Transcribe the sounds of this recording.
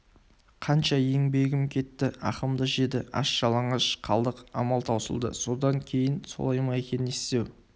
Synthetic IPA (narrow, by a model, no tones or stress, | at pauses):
qʰɑnʃɑje̞ŋbe̞ɡʲɪmkʲʰe̞t̪ːɪʔɑqəmd̪əʒe̞d̪ɪ̰ʔɑ̰ʃʒ̥ɑlˠɑɴəʃqʰɑlˠd̪əqɑ̰mɑlˠt̪ʰɑwsə̰lˠd̪ə̰so̞d̪ɑŋkʲʰe̞jɪnso̰lˠɑjmɑekʲe̞nɪnest̪e̞w